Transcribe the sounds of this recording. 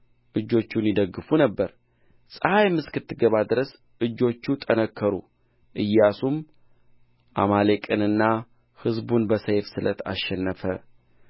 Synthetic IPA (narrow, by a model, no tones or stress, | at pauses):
ʔɨd͡ʒːo̞t͡ʃːunjid̪əɡːɨfunəbːəɾ | sʼəhajmːɨskɨt̪ːɨɡəβad̪ɨɾəs | ʔɨd͡ʒːo̞t͡ʃːut̪ʼənəkʰːəɾṵ | ʔɨjːasum | ʔa̰malekʼɨnɨnːa | hɨzbunbəsəjfsɨlət̪ʰa̰ʃːɛnːəfə